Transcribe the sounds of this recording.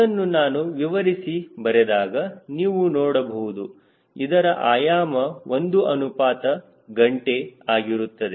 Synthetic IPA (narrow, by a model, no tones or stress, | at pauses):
ɐnːunaːnuʋiʋɐɾisibɐɾɛd̪aːɡɐniːʋunɔːɽɐbɐwud̪u | id̪ɐɾɐʔaːjaːmɐʔond̪uɐnupaːt̪ɐ | ɡɐɳʈe̞aːɡiɾut̪ːɐd̪e